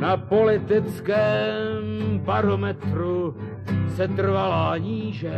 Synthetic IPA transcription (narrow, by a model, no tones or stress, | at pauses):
napo̞lɪt̪ɪt͡skɛːmbaɾo̞mɛt̪ɾu | sɛt̪r̩valaːɲiːʒɛ